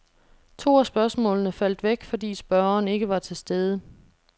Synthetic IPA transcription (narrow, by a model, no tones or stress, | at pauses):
t͡sʰo̝̰ːæsb̥ɶɐsmɔ̰ːlnəfæl̰d̥ʋeɡ̥fɒ̽d̥ḭːsb̥ɶɐɐːne̝ɡ̥əʋɑ̈t͡sʰe̝sd̥eð̞ˠə